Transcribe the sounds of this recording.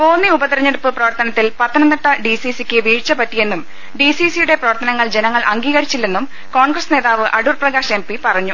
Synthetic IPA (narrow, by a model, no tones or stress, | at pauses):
poːnːiubɐt̪ɐɾɐɲːeɽupːɨprɐʋɐrt̪ɐnɐt̪ːilpɐt̪ʰːɐnɐnːɐʈːɐɖisisikʲːɨʋiːɻt͡ɕːɐpɐtːije̞nːum | ɖisisijuɽe̞prɐʋɐrt̪ɐnɐŋːɐɭd͡ʑe̞nɐŋːɐɭʔɐŋɡiːɣɐɾit͡ɕːilːe̞nːum | ko̞ːɳɡrɐsne̞ːðaːʋɨʔɐɽurprɐɣaːɕempipɐrɐɲːu